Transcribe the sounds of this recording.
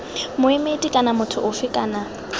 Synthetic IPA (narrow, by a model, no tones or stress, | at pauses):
mʊɪmetʼikʼanamʊtʰʊʔʊfɪkʼaːna